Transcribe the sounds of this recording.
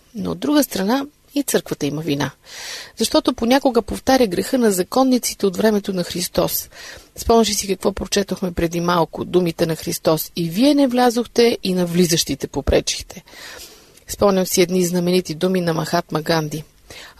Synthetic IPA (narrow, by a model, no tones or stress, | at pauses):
no̰o̰d̪ːɾuɡəst̪ɾɐna | it̪sɤɾkvət̪əiməvinaz̥ɐʃt̪ɔt̪oponʲakoɡəpoft̪aɾʲəɡɾɛxɤnɐzɐkɔnːit̪si̥t̪ɛot̪vɾɛmɛt̪onɐxɾist̪ɔsspɔmnʲəʃ̬isikɐkvɔpɾot͡ʃɛt̪oxmɛpɾɛd̪imalˠkʊd̪umit̪ɛnɐxɾist̪ɔsiviɛnɛvlʲazoxt̪ɛʔinɐvlizəʃt̪it̪ɛpopɾɛt͡ʃi̥t̪ʰɛ | spɔmɲʲəmsiɛd̪niznɐmɛnit̪id̪uminɐmɐxat̪mɐɡand̪i